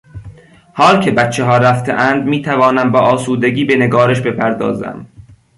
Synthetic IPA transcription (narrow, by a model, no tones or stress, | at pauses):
hɒːlcʰebæt̪t͡ʃʰːeɦɒːɾæft̪ʰeʔænd̪miːt̪ʰævɒːnæmbɒːʔɒːsuːd̪eɟʲiːbe̞neɡɒːɾeʃbe̞pʰæɾd̪ɒ̰ːzæ̰m